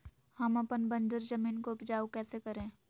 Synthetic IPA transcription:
hɐmɐpənbə̃nd͡ʒəɾd͡ʒɐmiːnkoʊpd͡ʒaːwkɛːsekɐɾẽː

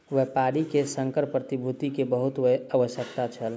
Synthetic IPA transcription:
ʋeɦpaɾikesəŋkəɾpɾət̪ibʱut̪ikebəɦut̪weɦaʋəsjəkt̪at͡ʃʰəl

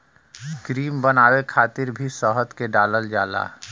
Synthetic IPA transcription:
kɾiːmbənaːwekʰaːt̪ɪɾbʱisɔːɦət̪keɖaːləld͡ʒaːla̰ː

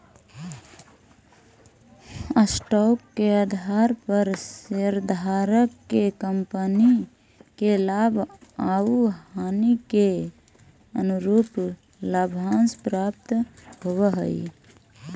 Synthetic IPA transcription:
əsʈɔkːeəd̪ʱaɾpəɾseɾd̪ʱaɾəkːekəmpəni | kelabʱauɦanike | ənuɾuːp | labʱãnspɾap̚t̪ɦowəɦəj

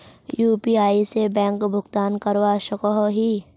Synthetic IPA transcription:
juːpiaːisebɛ̃ːŋkbʱʊɡt̪aːnkəɾwaʃəkɔɦɦiː

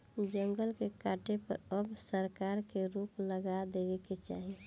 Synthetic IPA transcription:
d͡ʒə̃ŋɡəlkekaʈepə̰ɾəbsəɾkaɾkeɾupləɡad̪eʋɛket͡ʃa̰ɦi

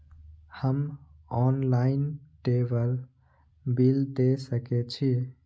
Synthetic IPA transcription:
həmɔnlainʈebəl | bild̪esəket͡ʃʰi

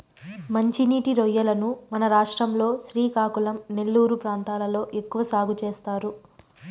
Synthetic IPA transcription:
mɐɲt͡ʃiniːʈiɾɔjːɐlɐnumɐnɐɾaːʂʈɾɐmlo̞ːʃɾiːkaːkulɐmne̞lːuːɾupɾaːnt̪aːlɐlo̞ːʔe̞kːuʋɐsaːɡut͡ʃeːst̪aːɾu

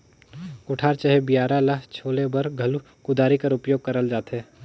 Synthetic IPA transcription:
kʊʈʰaːɾt͡ʃəɦebijaːɾalaɦt͡ʃʰoːlebɐɾɡʱɐlu | kʊd̪aːɾikɐɾʊpjoːɡ̚kɐɾəld͡ʒaːt̪ɦɛː

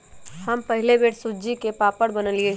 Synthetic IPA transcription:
hɐmpɐɦɪlebeːʈsʊd͡ʒikepaːpəɽbɐnəlie

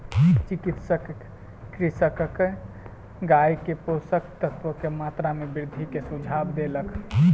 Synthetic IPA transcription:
t͡ʃikit̪səkː | ɾisəkk | ɡaikeposəkt̪ət̪ʋəkemat̪ɾamebɪɾd̪ʱikesud͡ʒʱabd̪elək

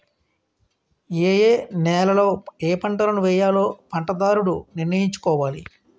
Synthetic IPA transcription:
eːjeːnɛːlɐlo̞ːeːpɐɳʈɐlɐnuʋɛːjaːlo̞ːpɐɳʈɐd̪aːɾuɽuniɾnɐjiɲt͡ʃu̥kɔːʋaːli

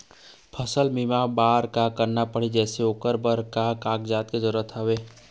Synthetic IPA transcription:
pʰəsəlmimabaːɾkakəɾnapəɽ̤id͡ʒɛːseoːkəɾbəɾkakaːkd͡ʒaːt̪̚kezəɾuət̪ɦaʋeː

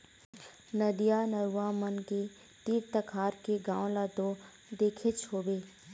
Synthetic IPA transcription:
nəd̪ijanəɾuaːmənke | ʈiːɾt̪əkʰaːɾkeɡãːõlat̪o | d̪eːkʰet͡ʃʰoːbeː

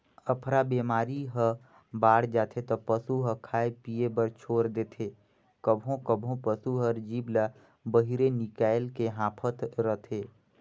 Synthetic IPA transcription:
əpʰɾabeːmaːɾiɦə | baːɽd͡ʒaːt̪ʰet̪ɔpəsuɦəkʰaːepiebəɾt͡ʃʰoːɾd̪eːt̪ʰeː | kəbʱõkəbʱõpəsuɦəɾd͡ʒiːbla | bəɦiɾenɪkaːɪlkeɦãːpʰət̪ɾət̪ʰeː

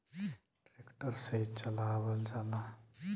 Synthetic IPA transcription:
ʈɾekʈəɾset͡ʃəlaːʋəld͡ʒaːna

